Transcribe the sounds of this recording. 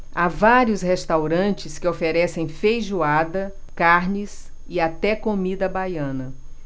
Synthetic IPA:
avaɾiʊshest̪awɾɐ̃nt͡ʃɪskɪofeɾɛsẽj̃fejʒuad̪ɐ | kaɾnɪs | ɪat̪ɛkomid̪ɐbajɐ̃nɐ

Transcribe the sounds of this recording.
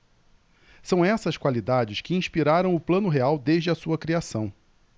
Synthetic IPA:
sɐ̃w̃ɛsɐskwalid̪ad͡ʒɪskɪĩʃpiɾaɾɐ̃w̃ʊplɐ̃nʊɦeawd̪eʒd͡ʒɪɐsuɐkɾiasɐ̃w̃

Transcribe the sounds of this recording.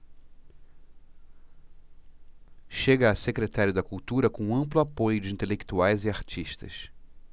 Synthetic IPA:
ʃeɡɐːsekɾet̪aɾjʊd̪ɐkuwt̪uɾɐkõũɐ̃mplʊapojʊd͡ʒɪĩnt̪elekt̪uajzɪaɾt͡ʃiʃt̪ɐ̰s

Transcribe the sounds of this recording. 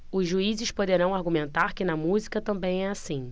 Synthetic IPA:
ʊzʒuizɪʃpod̪eɾɐ̃w̃aɾɡumẽnt̪aɾkɪnɐmuzikɐt̪ɐ̃mbẽj̃ɛasĩ

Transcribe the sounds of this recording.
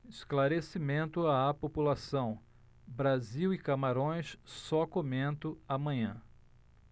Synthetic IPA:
ɪsklaɾesimẽnt̪ʊaapopulasɐ̃w̃ | bɾaziwɪkamaɾõj̃ssɔkomẽnt̪ʊamɐ̃ɲɐ̃

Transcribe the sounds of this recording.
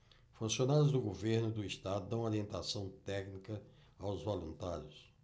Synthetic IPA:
fũsionaɾjʊzd̪ʊɡoveɾnʊd̪ʊist̪ad̪ʊd̪ɐ̃w̃aɾiẽnt̪asɐ̃w̃t̪ɛknikɐ | awzvolũnt̪aɾjʊs

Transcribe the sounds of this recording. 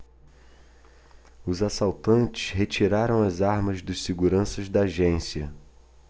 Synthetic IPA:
ʊzasawt̪ɐ̃nt͡ʃɪ̥ʃɦet͡ʃiɾaɾɐ̃w̃ɐzaɾmɐzd̪ɐʃseɡuɾɐ̃sɐzd̪ɐaːʒẽsiɐ

